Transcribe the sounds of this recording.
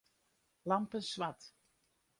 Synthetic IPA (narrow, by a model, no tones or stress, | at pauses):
lɑmpənsʋat